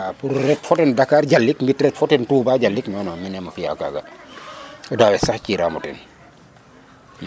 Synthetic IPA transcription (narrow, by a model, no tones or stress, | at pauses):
apuɾːɛtfɔtɛndakaːɾɟalːikmbitrɛtfɔtɛntuːbaɟalːiknɔːnɔminɛmɐfija̰ka̰ːɡɐ | ɔdaːwɛsaxciːɾa̰mutɛ̰n